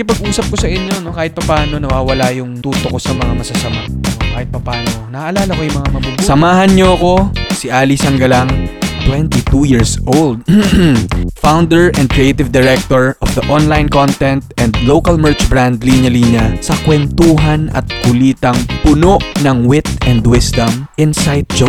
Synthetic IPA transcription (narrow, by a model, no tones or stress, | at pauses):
kɪpɐɡ̚ʔuːsɐp̚kosɐʔɪɲːo̞no̞kaːhɪt̪̚pɐpaːno̞nɐwaːwɐlajʊŋt̪uːt̪okosɐmɐŋamɐsɐsɐmaokaːhɪt̪̚pɐpaːnonɐʔʔɐlaːlɐkojʊŋmɐŋamɐbʊnsɐmaːɦɐnɲoɐko̞sɪʔaːlisɐŋɡɐlaŋt̪wɛnt̪it̪ujiːɹsʔowld̪̚ | fawnd̪ɛɹʔɛ̃nd̪̚kɹiejt̪ɪvd̪ɛɹɛk̚t̪oɹʔɔfd̪ɐʔonlajnkont̪ɛnt̪̚ʔɛnd̪lowkɐlmɛɹt͡ʃbɹand̪liɲjɐlinɲɐsɐkwɛnt̪uːɦɐnʔɐ̰t̪̚kʊliːt̪ɐŋpʊnoʔnɐŋwɪt̪̚ɛnd̪wɪsd̪ɐmʔɪnsajt̪̚d͡ʒo